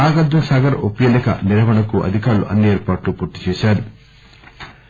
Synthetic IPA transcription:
aːɡad̪ːɐmsaːɡɐɾopːjelekɐ̰niɾɐʋɐɳɐkuʔɐ̰d̪ʱikaːɾluʔɐ̰nːieːɾpaːʈlupoɾt̪ːi̥t͡ʃɛːʃaːɾu

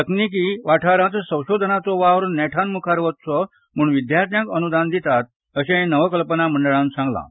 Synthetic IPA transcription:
t̪əknik̬iʋaʈʰaɾãt͡ssə̃w̃ɕod̪ʱənat͡sɔʋaʋɾnɛʈʰanmukʰaɾʋət̪t͡sɔ | muːɳʋid̪jaɾt̪jãkənud̪and̪it̪at̪̚ | əɕẽnəʋəkəlpənaməɳɖəɭãnsãŋɡlã̰

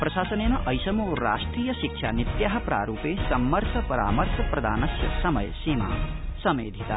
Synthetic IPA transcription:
pɾʌsaːsənenʌʔʌjsʌmoɾa̰sʈrijʌsik̚t͡ʃʰa̰nit̪jaɦɐpɾa̰ːɾupesʌmːʌɾt̪ʰɐpɐɾa̰ːmʌrt̪ʰɐprɐd̪ʱaːnʌsjɐsʌmʌ̰jsima̰sʌmḛd̪ʱit̪a̰

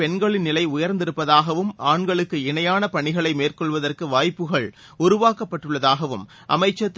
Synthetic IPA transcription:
ɛɳɡɐɭɪnnɪlɐɪʊjɐɾnd̪ɪɾɯpːɐðaːɣɐʋɯmaːɳɡɐɭɯkːɯɪɳɐjaːnɐpɐɳɪɣɐɭɐɪmeːrkɔɭʋɐðɐrkɯʋaːjpːɯɣɐɭ | ʊɾʊʋaːkɐpːɐʈːɯɭːɐðaːɣɐʋɯm | ʔɐ̰mɐɪt͡ʃːɐt̪ː

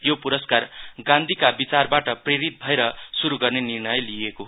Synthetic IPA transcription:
jopuɾʌskarɡãnd̪ʱikabit͡sarbaʈʌpreɾit̪̚bʱʌeɾʌsuɾuɡʌrnenirnʌjlijekoɦ

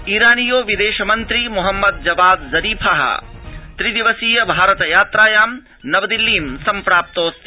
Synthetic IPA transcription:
iːɾaːnijoːʋid̪eːʃɐmɐnt̪ɾimuɦɐmːɐd̪̚d͡ʒɐbaːd̪zɐɾiːpʰɐɦɐ̰t̪ɾid̪iʋɐsiːjɐbʱaːɾɐt̪ɐjaːt̪ɾaːjaːm | nɐʋɐd̪ilːiːmsɐmpɾaːp̚t̪oːst̪

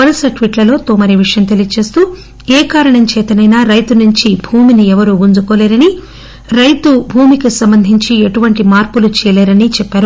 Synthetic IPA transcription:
ɐɾɐsɐʈʋiʈlɐlo̞ːt̪oːmɐɾiʋiʂɐjɐmt̪elijɐt͡ʃe̞ːst̪uː | eːkaːɾɐɳɐmt͡ʃɛːt̪ɐnɐjnaːɾɐjt̪unuɲt͡ʃibʱuːminiɛʋɐɾuund͡ʒukoːleːɾɐni | ɾɐjt̪ubʱuːmikisɐmbɐnd̪ʱiɲt͡ʃieʈuʋɐɳʈimaːɾpulut͡ʃɛːjɐleːɾɐnit͡ʃɛpːaːɾu

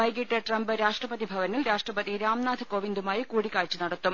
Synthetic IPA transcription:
ɐjɡiʈːɐʈrɐmbɨɾaːʂʈrɐpɐðibʱɐʋɐnilɾaːʂʈrɐpɐðiɾaːmnaːd̪ʰʱɨkoʋind̪umaːjikuːɽikːaːɻt͡ɕːɨnɐɽɐt̪ːum

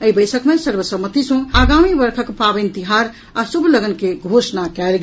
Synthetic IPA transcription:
əibəjsəkmesəɾbəsəmːət̪isə̃aɡamibəɾkʰəkpabent̪iɦaɾ | asubʱləɡənkeɡʱosnakɛlɡ

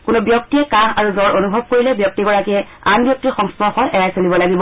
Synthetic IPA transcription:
kʊnobjɔk̚tiɛkahaɹuzɔɹonubʱɔb̚koɹilɛbjɔk̚tiɡɔɹakɛ | anbjɔk̚tiɹxɔŋspɔxɔnɛjajsolibɔlaɡibɔ

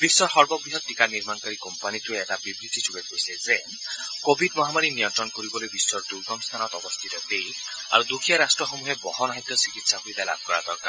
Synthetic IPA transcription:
bisːɔɾɦɔɾbɔɡɾiɦɔd̪̚tːikaniɾmankaɾikɔmpanit̪ueetabibɾit̪ʰisʰuɡekojseze | kobʱidmɔɦamaɾinijɔnt̪ɾɔnkoɾibɔlojbiswɔɾd̪uɾɡɔŋst̪ʰanɔt̪ɔbɔst̪ʰit̪ɔd̪ej | a̰ɾud̪ukʰijaɾasʈɾɔxomuɦebɔɦɔnaɦit̪jɔsikit̪saɦojd̪ajla̰b̚ʱɔkɔɾa̰d̪ɔɾka̰

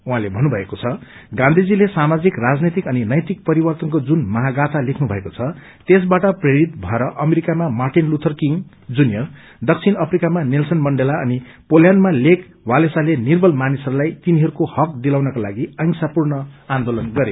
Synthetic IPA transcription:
uɦãlebʱʌnubʱʌekot͡sʰʌɡãnd̪ʱid͡zilesamad͡zikrad͡znet̪ikʌninʌjt̪ik̚pʌɾibʌrt̪ʌnkod͡zunmʌɦaɡat̪alekʰnubʱʌekot͡sʰʌ | t̪es̬baʈʌpreɾit̪bʱʌeɾʌʔʌmeɾikamamarʈinlut̪ʰʌrkiŋ | d͡zunjʌr | d̪ʌk̚t͡sʰinʌpʰrikamanelsʌnmʌɳɖelaʌni | poljanmalek | walesalenirbʌlmanisʌɾulajt̪iniɦʌɾukohʌk̚d̪ilaw̃nʌkalaɡiʌŋsapurnʌãnd̪olʌnɡʌɾe

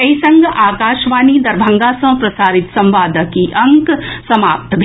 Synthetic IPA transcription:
ɐisɐ̃ŋɡʔaːkaːʃʋaːnid̪ɐɾbʱɐ̃ŋɡasɐ̃pɾɐsaːɾɪt̪sɐ̃mʋaːd̪əkiʔɐ̃ŋksɐmaːp̚t̪bʱ

